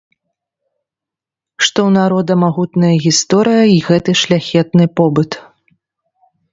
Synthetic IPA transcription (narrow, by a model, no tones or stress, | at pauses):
ʂt̪ɔwnaɾɔd̪ɐmaɣut̪nɐjɐɣʲist̪ɔɾɨjɐiɣɛt̪ɨʂlʲaxʲɛt̪̚nɨpɔbɨt̪